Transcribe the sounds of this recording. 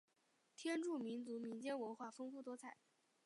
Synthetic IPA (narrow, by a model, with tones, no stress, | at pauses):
t̪ʰjɛ˥nʈ͡ʂu˥˩mi˧˥nt͡su˧˥mi˧˥nt͡ɕjɛ˥nwə˧˥nxwa˥˩fɤ˥ŋfu˥˩t̪̬wɔ˥t͡sʰa˥˩˦ɪ